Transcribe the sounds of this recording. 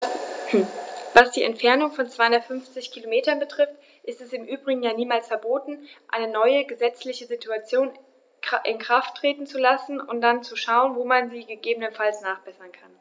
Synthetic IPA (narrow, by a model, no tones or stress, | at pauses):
vasd̥iːʔɛ̰ntfɛɐnʊŋfɔnt͡sv̥aɪhʊnɐtfʏnft͡sɪçkʰilomeːtɐnbətʁ̥ɪft | ʔɪstɛsɪmʔyːbʁɪɡŋ̩jaːniːmaːlsfɛɐboːtn̩ʔa̰ɪnənɔʏəɡəzɛt͡slɪçəzitʰuat͡sjoːn | ʔɪ̰nkʁ̥aftʁ̥eːtn̩t͡sulasn̩ʊnt̚d̥ant͡suʃaʊənvoːmanziːɡəɡeːbənənfalsnaːχb̥ɛsɐnkʰan